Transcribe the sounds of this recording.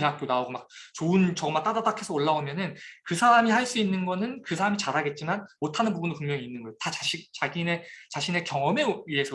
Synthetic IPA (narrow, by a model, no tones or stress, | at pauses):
eŋak͈ʰjonaoɡomak̚t͡ɕoɯnt͡ɕʌɡʌmːat͈adadakʰe̞sʰʌoɭːaomjʌnɯnkɯsʰaɾamiɦaɭs͈uinːɯnɡʌnɯnkɯsʰaɾamit͡ɕaɾaɡet̚t͡ɕ͈imanmotʰanɯnpubundoɭpuŋmjʌŋiːnːɯnɡʌotat͡ɕaɕit͡ɕaɡine̞t͡ɕaɕʰine̞kjʌŋʌme̞ie̞sʰʌ